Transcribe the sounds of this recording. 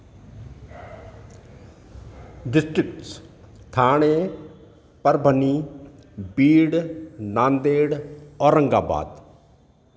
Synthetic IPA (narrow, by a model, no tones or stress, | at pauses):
ɖɪsʈɾɪkʈs | t̪ʰaːɽ̃eː | pəɾbʱəniː | biːɽnaːnd̪eːɽɔːɾə̃ŋɡa̰ːba̰ːd̪